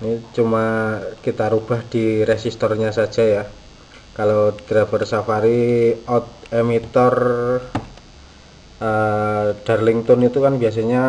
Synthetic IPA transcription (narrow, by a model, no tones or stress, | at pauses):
nit͡ʃumakit̪aɾub̥ahd̥iɾesist̪ɔrɲasḁd͡ʒʒ̥aja | kalod̪̥ɾafərsafaɾiɔt̪̚emit̪ɔr | əd̪̥arlɪŋt̪ɔnit̪ukanbias̬aɲa